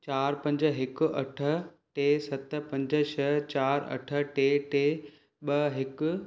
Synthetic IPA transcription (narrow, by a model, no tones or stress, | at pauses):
t͡ɕaːɾpɐ̃ɲd͡ʑə̆ɦɪkʊ̆ʔɐʈʰə̆ | ʈeːsɐt̪̆pɐ̃ɲd͡ʑə̆ʃʰɐt͡ɕaːɾɐ̰ʈʰə̆ʈeːʈeː | ɓɐɦɪkʊ̆